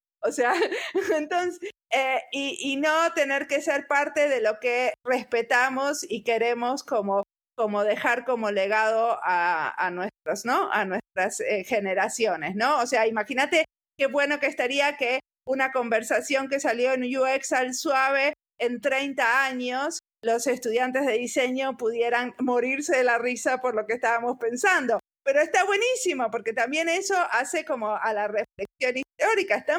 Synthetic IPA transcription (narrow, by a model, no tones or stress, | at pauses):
oseaent̪o̞nseeiːnot̪e̞ne̞ɾke̞se̞ɾpaɾt̪e̞ðe̞lo̞ke̞re̞spe̞t̪amo̞sike̞ɾe̞mo̞sko̞mo | ko̞mo̞ð̞e̞xaɾko̞mo̞le̞ɣ̞að̞o̞aa̰nwest̪ɾosno̞a̰nwe̞st̪ɾasexe̞ne̞ɾasjone̞sno̞ːseaimaxinat̪e̞ | ke̞βwe̞no̞keːst̪aɾiake | unako̞mbe̞ɾsasjo̞ŋke̞saljo̞enujueksalswaβ̞e̞ː | nt̪ɾe̞jnt̪aaɲo̞s | lo̞se̞st̪uðjant̪e̞zðe̞ðise̞ɲo̞puð̞je̞ɾanmo̞ɾiɾse̞ðelarisapo̞ɾlo̞keːst̪aβamo̞spe̞nsand̪o̞ | pe̞ɾo̞est̪aβwe̞nisimo̞po̞ɾke̞t̪ambje̞ne̞so̞ʔase̞ko̞mo̞alare̞flek̚sjo̞nist̪oɾikaest̪a